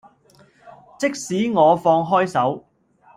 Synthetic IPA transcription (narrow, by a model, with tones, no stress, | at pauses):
t͡sɪ˥k̚siː˨˥ŋɔː˨˧fɔː˧ŋɦɔː˥jsɐ˨˥w